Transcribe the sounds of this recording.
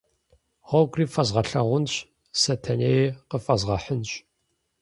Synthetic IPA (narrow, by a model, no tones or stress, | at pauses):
ʁʷɔwɡʷʼriːfɐzʁɐɬɐʁʷʊnɕ | sɐtʰɐnejqəfɐzʁɐħənɕ